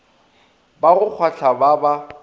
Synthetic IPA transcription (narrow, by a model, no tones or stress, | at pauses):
baɣʊk͡xʰwaɬʰababa